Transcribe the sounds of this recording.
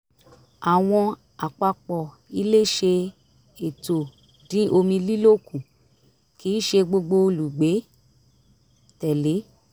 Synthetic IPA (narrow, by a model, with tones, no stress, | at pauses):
a˨w̃ɔ̃˧ | a˨k͡pa˧k͡pɔ˨ | i˧˦le˦ʃe˧ | e˨to˨ | dĩ˨˦ʔo˧mĩ˧li˦lo˦˨kũ˨ | ki˨˦ʃe˧ɡ͡bo˧ɡ͡bo˧lu˨ɡ͡be˨˦ | tɛ˨le˨˦